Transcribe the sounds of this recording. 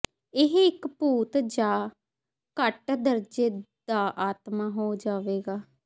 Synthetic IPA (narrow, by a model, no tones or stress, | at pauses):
ɪɦɪkpuːt̪d͡ʒaː | kəʈd̪əɾd͡ʒeːd̪aːʔaːt̪maːɦoːd͡ʒaːʋeːɡaː